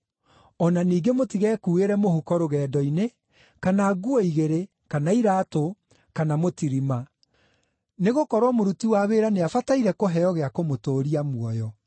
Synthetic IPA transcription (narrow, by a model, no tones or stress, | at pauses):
ɔnaniːɡemotiɣɛːkuːeɾɛmohukɔɾoɣɛːdɔine | kanaːɡuɔiɣeɾe | kanaiɾaːto | kanamotiɾima | neɣokɔɾwɔmoɾutiwaβeːɾaneafataiɾɛkoɦɛjɔɣeakomotoːɾiamwɔjɔ